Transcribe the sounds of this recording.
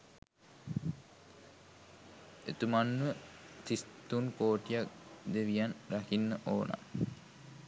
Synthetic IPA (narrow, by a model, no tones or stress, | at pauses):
et̪umanːuʋət̪ist̪unkoːʈijak̚d̪eʋijanɾakinːəʔoːna̰